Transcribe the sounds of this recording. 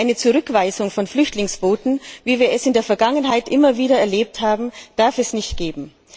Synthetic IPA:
ɪnət͡suʁʏkv̥aɪzʊŋfɔnflʏçtlɪŋsb̥oːtn̩viːviːɐɛsɪndeːɐfɛɐɡaŋənɦaɪtʔɪmɐviːɾɐɛɐleːp̚thaːbm̩d̥aɐfɛsnɪçtɡ̥eːbm̩

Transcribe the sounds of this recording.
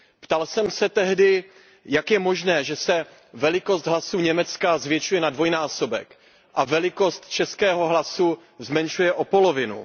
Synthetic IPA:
pt̪alsɛmsɛt̪ɛɦdɪ | jakjɛmo̞ʒnɛːʒɛsɛ | vɛlɪko̞st̪ɦlasuːɲɛmɛt͡skazvjɛt͡ʃujɛnadvo̞jnaːso̞bɛ̰k | ʔavɛlɪko̞st̪t͡ʃɛskɛːɦo̞ɦlasu | zmɛnʃujɛʔo̞po̞lovɪnṵ

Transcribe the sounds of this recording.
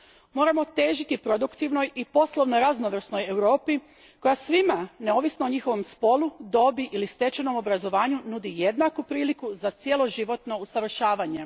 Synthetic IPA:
mo̞ɾamo̞t̪e̞ːʒit̪ipɾo̞d̪ukt̪iʋno̞jipo̞slˠo̞ʋno̞ɾaznoʋr̩sno̞je̞wɾo̞ːpi | ko̞jasʋimane̞o̞ːʋisnooɲixo̞ʋo̞mspo̞lud̪o̞biʔilist̪e̞t͡ɕeno̞mo̞bɾazo̞ʋaːɲunud̪ije̞d̪nakupɾiːlikuzat̪sje̞lo̞ʒiʋo̞t̪no̞usaʋr̩ʃaːʋaɲe̞

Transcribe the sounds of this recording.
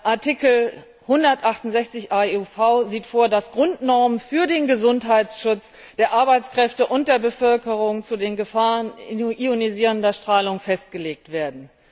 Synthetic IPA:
ʔaɐtʰikl̩ | hʊndɐtʔaχtʊnzɛçt͡sɪçʔaufaʊziːtfoːɐdasɡ̥ʁʊntnɔɐmənfyːɐdeːnɡəzʊntɦaɪtsʃʊt͡s | d̥eːɐʔaɐbaɪt͡skʁ̥ɛftəʔʊnt̚d̥eːɐbəfœlkəʁʊŋt͡sudeːnɡəfaːʁənioniziːʁəndɐʃtʁ̥aːlʊŋfɛst̚ɡ̥əleːk̚tv̥eːɐdn̩

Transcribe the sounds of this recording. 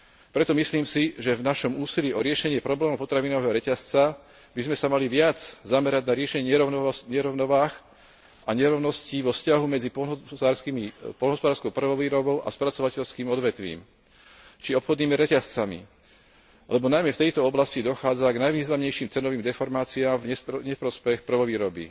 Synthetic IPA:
pɾɛt̪ɔmisliːmsiʒɛvnaʃɔmuːsiliɔɾɪɛʃɛɲɪɛpɾɔblɛːmuʊpɔt̪ɾaʋinɔʋɛːɦɔɾɛcast͡sa | bizmɛsamaliʋɪad͡zzamɛɾaɟnaɾɪɛʃɛɲɛɛɾɔɲɛɾɔʊnɔʋaːx | aɲɛɾɔʊnɔsciʋɔfscaɦumɛd͡zipɔaːɾskimipɔlnɦɔspɔd̪aːɾskɔʊpr̩ʋɔʋiːɾɔbɔʊʔa̰spɾat͡sɔʋacɛʎskiːmɔd̪ʋɛt̪ʋḭːm | t͡ʃiɔpxɔd̪niːmiɾɛcast͡samḭ | alɛbɔnajmɛft̪ɛjt̪ɔɔblascid̪ɔxaːd͡zaɡnajʋiːznamɲɛjʃiːmt͡sɛnɔʋiːmd̪ɛfɔɾmaːt͡siaːmvɛɲɛfpɾɔspɛxpr̩ʋɔʋiːɾɔbḭ

